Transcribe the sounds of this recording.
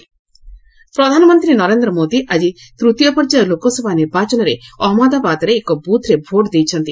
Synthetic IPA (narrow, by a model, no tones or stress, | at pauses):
pɾɔd̪ʱanɔmɔnt̪ɾinɔɾend̪ɾɔmod̪iʔad͡ʒit̪ɾut̪ijɔpɔɾd͡ʒalokɔsɔbʱaniɾbat͡ʃɔnɔɾeɔɦɔmɔd̪abad̪ɔɾeːkɔbut̪ʰɾebʱoʈd̪ejt͡ʃʰɔnt̪i